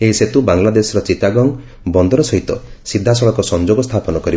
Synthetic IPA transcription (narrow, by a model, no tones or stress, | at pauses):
eɦiset̪ubaŋlad̪esɔɾɔt͡ʃit̪aɡɔŋ | bɔnd̪ɔɾɔsɔɦit̪ɔsid̪ʱːasɔɭɔkɔsɔnd͡ʒoɡɔst̪ʰapɔnɔkɔɾi